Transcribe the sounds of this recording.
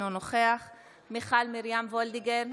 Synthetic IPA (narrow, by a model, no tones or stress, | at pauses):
onoχeaχ | miχalmiɾjamvold̪iɡeɾ